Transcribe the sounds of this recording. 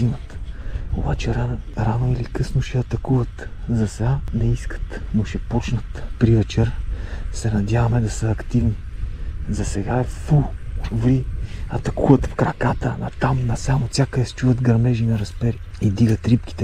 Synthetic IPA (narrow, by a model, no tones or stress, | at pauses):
inət̪o̰bat͡ʃɛɾaɾanoilikɤsnoʃɛɐt̪ɐkuvət̪zɐsɛɡanɛiskə̥t̪noʃɛpɔt͡ʃnət̪pɾivɛt͡ʃɛɾsɛnɐd̪ʲjavɐmɛd̪ɐsəɐkt̪ivni | zɐsɛɡaɛfuvliɐt̪ɐkuvət̪fkɾɐkat̪ənɐ̰t̪amnɐsamosʲakəd̪ɛst͡ʃuvəd̪ɡɐɾnɛʒinɐɾɐspɛɾi | id̪iɡət̪ɾipkʲi̥t̪ɛ